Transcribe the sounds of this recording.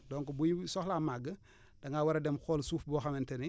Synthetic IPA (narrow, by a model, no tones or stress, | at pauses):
doːŋkobujisɔxlamaɡːə | d̥ɐŋawaɾɐdemxolsuːfboxamenteni